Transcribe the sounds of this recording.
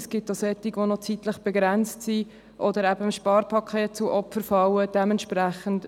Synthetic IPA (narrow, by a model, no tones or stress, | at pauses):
sɡ̥ɪt̚dɔsɛtiɡʋonɔt͡sitləχb̥ɛɡɾɛnt͡stsi | ʔɔd̪əɾæbəʃpɑːɾpʰɑkʰeːt̚t͡suʔɔpfəɾfɑwəd̥ɛmɛntʃpɾæχənt